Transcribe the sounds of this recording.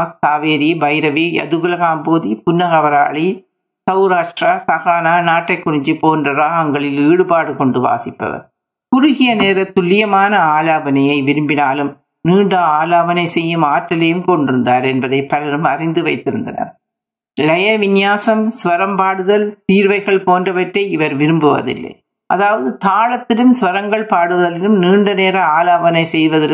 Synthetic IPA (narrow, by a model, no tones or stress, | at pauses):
st̪aːʋeːɾibɐɪɾɐʋijɐ̰ðɯɣɯlɐɣaːmpoːðipʊnːɐɣɐʋɐɾa̰ːɭi | sɐʊɾaːʂɾaːsɐɣaːnaːnaːʈːɐɪkːʊɾɪɲd͡ʒipoːndrɐɾaɐŋɡɐɭɪliːɽɯbaːɽɯkɔɳɖɯʋa̰ːsɪpːɐ̰ʋɐ̰ɾ | kʊɾʊɣɪjɐneːɾɐt̪ːʊlːɪjɐmaːnɐaːlaːbɐnɐjɐɪʋɪɾɯmbɪnaːlɯm | niːɳɖɐaːlaːʋɐnɐɪsɛjːɯmaːʈːɐlɐjɯmkɔɳɖɪɾɯnd̪aːɾɛnbɐðɐɪpɐlɐɾɯmɐrɪnd̪ɯʋɐɪt̪ːɪɾɯnd̪ɐ̰nɐ̰ɾ | lɐjɐʋɪnjaːsɐmsʋɐɾɐmpaːɽɯðɐlt̪iːɾʋɐɪɣɐɭpoːndrɐʋɐʈrɐɪʋɐɾʋɪɾɯmbɯʋɐ̰ðɪ̰lːɐ̰ | ʔɐðaːʋɐðɯt̪aːɻɐt̪ːɪlɯmsʋɐɾɐŋɡɐɭpaːɽɯʋɐðɐlɪɯmniːɳɖɐneːɾɐaːlaːʋɐnɐɪsɛjʋɐðɐ